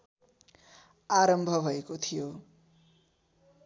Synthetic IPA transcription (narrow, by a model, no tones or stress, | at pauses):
aɾʌmbʱʌbʱʌekot̪ʰijo